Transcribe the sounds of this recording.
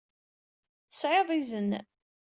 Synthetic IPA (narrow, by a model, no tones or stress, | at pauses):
θəsʕeðˤizən